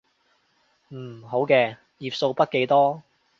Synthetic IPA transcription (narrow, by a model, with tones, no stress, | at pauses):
m̩˨˩ɦo˨˥wkɛː˧ | jiː˨˩p̚so˧wpɐ˥t̚ke˨˧jt̪ɔː˥